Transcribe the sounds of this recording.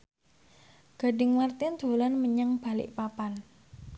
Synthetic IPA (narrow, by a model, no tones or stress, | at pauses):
ɡ̥a̤ɖɪŋmart̪ɪnd̪̥o̤lanməɲaŋb̥a̤lɪ̰ʔpapan